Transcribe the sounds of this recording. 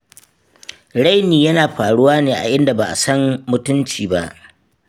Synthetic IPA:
ɽa˦jniː˨jɐ˦naː˨ɸaː˨ɽʊ˦waː˦neː˨ʔa̰˨ʔɪ˦nda˨baː˨ʔa̰˨sɐ˦mmʊ˦tʊ˦nt͡ʃiː˨ba˦ʔ

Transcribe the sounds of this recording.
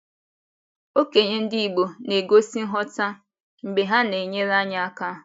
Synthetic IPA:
o˦ke˨ɲe˦n̩˦dɪ˦i˨ɡ͡bo˨ne˨ɡo˦si˦n̩˦ɦɔ˦ta˦ | m̩˨ɡ͡be˨ɦa˦ne˨ɲe˦ɾa˦ɲa˦a˦ka˦˨

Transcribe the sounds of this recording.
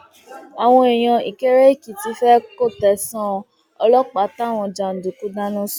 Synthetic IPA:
a˨w̃ɔ̃˧e˨j̃ã˧ḭ˨ke˦ɾe˦i˦˨ki˨ti˧˦fɛ˦ko˦˨tɛ˨sɔ̃˦ | ɔ˧lɔ˦k͡pa˨˦ta˦˨w̃ɔ̃˧d͡ʒã˨n̩˨du˨ku˦dã˦nũ˦s

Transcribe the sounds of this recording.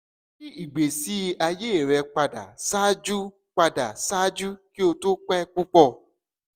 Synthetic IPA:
ki˦i˨ɡ͡be˨si˨˦˧a˧je˦e˨ɾɛ˧k͡pa˧da̰˨sa˦d͡ʒu˦ | k͡pa˧da˨sa˦d͡ʒu˦ki˦o˧to˦k͡pɛ˦k͡pu˦k͡pɔ˦˨

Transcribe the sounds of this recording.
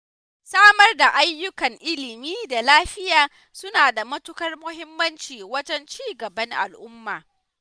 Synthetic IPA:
saː˦mɐ˦rda˨ʔa˦jːʊ˦kɐ˨ŋʔɪ˦lɪ˨miː˦da˨laː˦ɸɪ˦jaː˨ | sʊ˦naː˨da˨mɐ˦tʊ˦kɐ˦rmʊ˦ɦɪ˦mːɐ˦nt͡ʃiː˨wɐ˦d͡ʒɛ˦nt͡ʃiː˦ɡɐ˨bɐ˦ŋʔa̰˨lʔʊ˦mːaː˨

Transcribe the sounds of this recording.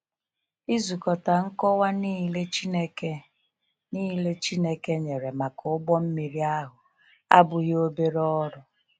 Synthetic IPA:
i˦zu˨kɔ˨ta˨ŋ̩˦kɔ˦wa˦ni˦le˦t͡ʃi˦ne˦ke˦ | niː˦le˦t͡ʃi˦ne˦ke˦ɲe˨ɾe˨ma˨kʊ˨ʊ˦ɡ͡bɔ˦m̩˦mi˨ɾi˦a˦ɦʊ˨ | a̰˦bʊ˨ɣo˦be˦ɾɔ˦ɾʊ˨

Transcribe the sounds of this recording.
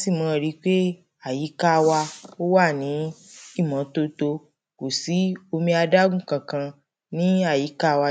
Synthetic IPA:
si˦˨mɔ̃˨˧˨ɾi˨˦k͡pe˦ | a˦˨ji˨˦ka˦˧wa˧o˦wa˦˨nĩ˨˦i˦˨mã˨˦to˧to˧ | ko˨si˨˦o˧mĩ˧a˧da˦ɡũ˦˨kã˨kã˧ | nĩ˦a˦˨ji˨˦ka˦˧wa˧

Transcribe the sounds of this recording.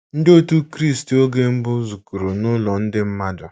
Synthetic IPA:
n̩˦do˦tu˦kɾi˦˨sto˦ɡe˦m̩˦bʊ˦zu˨ku˨ɾu˨nʊ˦lɔ˨n̩˦dɪ˦m̩˦ma˦dʊ˨

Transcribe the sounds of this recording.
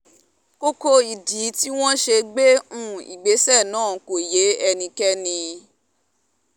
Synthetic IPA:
ko˦ko˧i˨di˨˦ti˦w̃ɔ̃˦ʃe˧ɡ͡be˦ũ˦˨ḭ˨ɡ͡be˨˦sɛ˦˨nãː˦˨˦ko˨je˨˦ɛ˧nĩ˧kɛ˦nĩ˧

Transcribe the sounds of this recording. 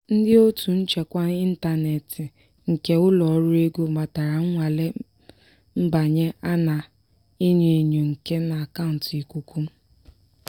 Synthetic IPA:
n̩˦dɪ˦o˦tu˨n̩˦t͡ʃe˨kʷa˦i˦n̩˦ta˦ne˨tɪ˨ | ŋ̩˨ke˦ʊ˦lɔ˨ɔ˦ɾʊ˦e˦ɡu˦ma˨ta˨ɾa˨ŋ̩˦ŋʷa˨le˦ | m̩˦ba˨ɲe˦a˦na˨ | i˦ɲi˨e˨ɲu˨ŋ̩˨ke˦na˨a˨ka˦ʊ˨n̩˨ti˨ku˦kʰʷu˦m̩˦

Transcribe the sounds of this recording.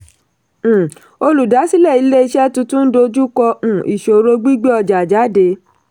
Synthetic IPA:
o˧lu˨da˨˦si˦lɛ˦˨i˨˦le˦i˧˦ʃɛ˦tũ˧tũ˦n̩˦do˧d͡ʒu˦kɔ˧ũ˨ḭ˨ʃo˨ɾo˧ɡ͡bi˦ɡ͡be˦ɔ˧d͡ʒa˨d͡ʒa˨˦de˧

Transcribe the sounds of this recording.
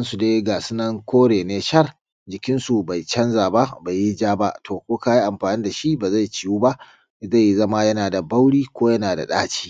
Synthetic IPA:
ɐ˦nsu˨deː˦ɡa˨sɪ˦nɐ˦ŋkʰʷoː˦ɽeː˨neː˦ʃɐ˦r | d͡ʒɪ˨kʲɪ˦nsu˨ba˨jt͡ʃɐ˦nzaː˨ba˦ʔba˨jːi˦d͡ʒaː˦ba˦ʔtʰoː˨kʷoː˦kaː˦ji˦ʔa˨mɸaː˨niː˦da˨ʃi˦baː˨za˦˨jt͡ʃɪ˦˨juː˦ba˦ʔ | za˦˨ji˨zɐ˦ma˦jɐ˦naː˨da˨ba˦wɽiː˦kʷoː˦jɐ˦naː˨da̰˨ɗaː˦t͡ʃi̥ː˦

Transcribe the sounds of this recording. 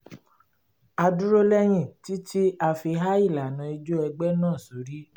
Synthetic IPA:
a˧du˦ɾo˦lɛ˦j̃ĩ˦˨ti˦ti˦a˧fi˧ɦa˦i˦˨la˨nã˧i˧d͡ʒo˦ɛ˧ɡ͡bɛ˦nãː˦˨so˨ɾi˦

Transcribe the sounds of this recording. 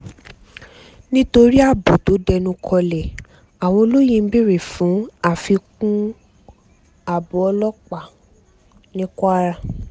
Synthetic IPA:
nĩ˦to˧ɾi˦a˦˨bo˨to˨˦dɛ˧nũ˧kʰɔ˧lɛ˨ | a˨w̃ɔ̃˧o˧lo˦jĩ˧m̩˦bi˦ɾe˨fũ˨˦a˦˨fi˧kũ˦ | a˨bo˨ɔ˧lɔ˦k͡pa˨ | nĩ˦kɔ˦a˦ɾa˧

